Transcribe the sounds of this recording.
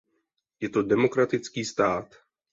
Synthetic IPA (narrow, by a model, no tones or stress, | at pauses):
jɛt̪o̞dɛmo̞kɾat̪ɪt͡skiːst̪aːt̪